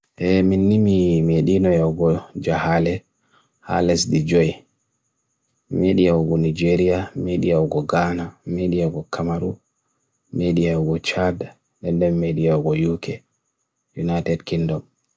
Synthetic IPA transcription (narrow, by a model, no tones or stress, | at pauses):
ʔɛminːimimeɗinɔjawɡɔd͡ʒahalɛ | ha̰lɛsdid͡ʒɔj | meɗijaɡɔnid͡ʒeɾiameɗijaɔɡɔɡaːnameɗijaɡɔkʰamaɾu | meɗijaɡɔt͡ʃada | ɗɛndɛmːeɗijaɡɔjukʰɛ | junajtɛdkindɔm